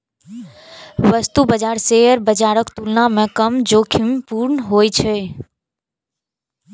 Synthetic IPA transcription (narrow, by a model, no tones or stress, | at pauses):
ʋəst̪ubəd͡ʒaɾseəɾbəd͡ʒaɾəkt̪ulnamẽkəmd͡ʒokʰimpuɾnəɦojt͡ʃʰe